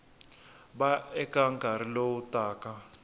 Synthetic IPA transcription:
baɛkʼaŋkaɾilowutʼaːka

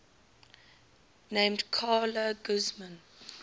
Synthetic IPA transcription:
nẽɪmdkʰaːləɡʊzmə̃n

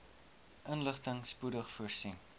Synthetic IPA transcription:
ʔənləχtəŋspudəχfuərsin

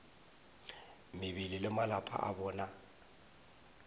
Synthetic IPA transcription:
mɪbililɪmalapʼʰa̰ʔabɔːna

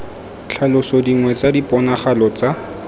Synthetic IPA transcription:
t͡ɬʰalʊsodiŋwɛt͡sadipɔnaχalɔt͡sa

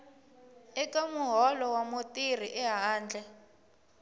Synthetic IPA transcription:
ɛkamuɦɔlɔwamotir̤iʔɛɦaːnd͡ɮʱɛ

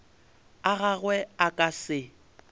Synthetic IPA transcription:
aɣaɣwɛakʼasɪ

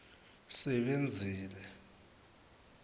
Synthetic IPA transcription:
sɛɓend͡zʱiːlɛ

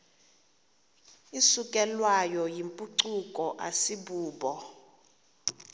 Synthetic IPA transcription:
isukʼɛlwajɔjimpʼuǀukʼɔʔasiɓuːɓɔ

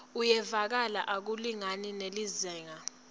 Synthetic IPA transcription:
ujɛvak̬alaʔak̬uliŋaninelizɛːŋa

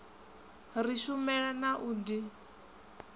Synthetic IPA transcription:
riʃumɛɺanaʔuːdi

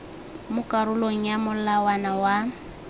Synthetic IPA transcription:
mʊkʼaɾʊloŋ̩jamʊlawanawa

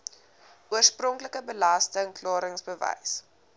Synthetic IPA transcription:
uərsprɔŋkləkəbəlastəŋklɑːɾəŋsbəvɛ̰js

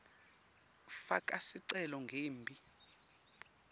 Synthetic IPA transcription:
fakʼasiǀɛlɔŋɡʱeːmbʱi

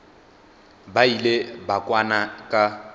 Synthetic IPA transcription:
bailebakʼwanakʼa

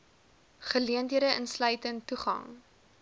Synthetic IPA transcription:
χəliəntɦiədəʔənslœɥtəntuχɐ̰ŋ

